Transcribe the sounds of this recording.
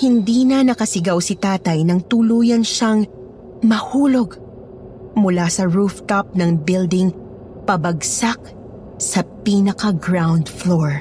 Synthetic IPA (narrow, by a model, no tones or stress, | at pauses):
hɪnd̪iːnɐnɐkɐsɪɡawsɪt̪aːt̪ɐjnɐŋt̪ʊluːjɐnʃaŋ | mɐhuːlo̞ɡ | mʊlasɐɹuft̪ap̚nɐŋbɪld̪ɪŋ | pɐbɐɡsak̚ | sɐpiːnɐkɐɡɹawnd̪floɹ